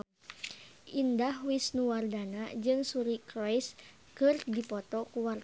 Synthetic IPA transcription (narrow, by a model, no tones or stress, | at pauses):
ʔindahwisnuwardanad͡ʒɨŋsuɾikɾɔjs | kɨrdipɔt̪ɔkuwart̪